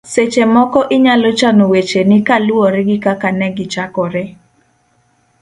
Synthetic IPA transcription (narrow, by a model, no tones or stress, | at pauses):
set͡ʃemɔkɔʔɪɲalot͡ʃanowet͡ʃenɪkaluoɾɛɡɪkakanɛɡɪt͡ʃakɔɾɛ